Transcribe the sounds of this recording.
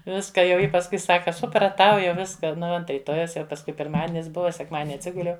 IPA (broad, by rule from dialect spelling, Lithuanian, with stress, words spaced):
ˈʋʲɪskɐ jɛʊ ˈjɪ pɐsˈkʊɪ ˈsɑːkɐ sʊprɐˈtɐʊ jɛʊ ˈʋʲɪskɐ ˈnʊ ˈʋɐ ˈɐnt rʲiːˈtoːjɛʊs jɛʊ pɐsˈkʊɪ pʲɪrˈmɑːdʲɪnʲɪs ˈbʊʋɐ sʲɛkˈmɑːdʲɪnʲɪ ɐtʲˈsʲɪɡʊlʲɛʊ